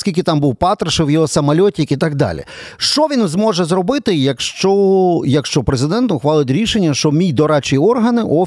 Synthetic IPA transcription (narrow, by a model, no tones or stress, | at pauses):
skʲilʲkʲɪt̪ɑmbuwpɑt̪ɾɐʃɪwjɔɦɔsɐmɐlʲɔtʲkit̪ɑɡ̚d̪ɑ̰lʲḭʃt͡ʃɔʋʲinzmɔʒɛzɾɔbɪt̪ɪjɐkʃt͡ʃɔjɐkʃt͡ʃɔpɾezɪd̪ɛnt̪ʊxʋɑlˠɪtʲɾʲiʃenʲːɐʃt͡ʃɔmʲijd̪ɔɾɑt͡ʃijiɔrɦɐnɪʔɔ